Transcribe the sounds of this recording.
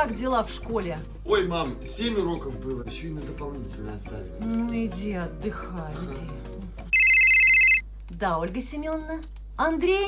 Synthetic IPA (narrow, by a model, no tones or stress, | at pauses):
kakdʲɪlˠafʂko̞lʲɪ | o̞jmamsʲemʲʊɾo̞kəfbɨlˠəjɪɕːoɪnəd̪əpalˠnʲitʲɪlʲnəɐst̪a̰vʲɪnnuɪdʲeɐd̪ːɨxaɪdʲe | d̪ao̞lʲɡəsʲɪmʲonːə | ɐnd̪ɾʲej